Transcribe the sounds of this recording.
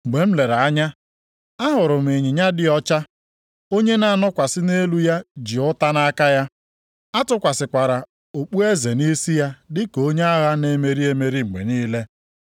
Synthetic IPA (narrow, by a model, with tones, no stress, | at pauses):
ŋ͡m̩˨ɡ͡be˨m̩˦le˨ɾa˨a˦ɲa˦ | a˦ɦʊ˨ɾʊ˨m̩˨e˨ɲɪ˨ɲa˦dɪ˦ɔ˦t͡ʃa˦ | o˦ɲe˦na˨nɔ˦kʷa˨sɪ˦ne˦lu˦ja˦d͡ʒi˨ʊ˦ta˦na˦ka˦ja˦ | a˦tʊ˦kʷa˨sɪ˨kʷa˨ɾa˨ | o˨k͡pu˦e˦ze˨ni˦si˦ja˦dɪ˦ko˨˦ɲe˦a˦ɣa˦ne˦me˨ɾi˦e˦me˨ɾi˦ŋ͡m̩˨ɡ͡bḛ˨niː˦le˦